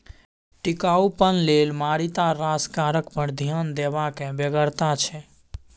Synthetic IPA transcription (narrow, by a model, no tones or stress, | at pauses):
ʈikaupənlelmaɾit̪aɾaskaɾəkpəɾd̪ʱjand̪ebakẽbeɡəɾt̪at͡ʃʰɛ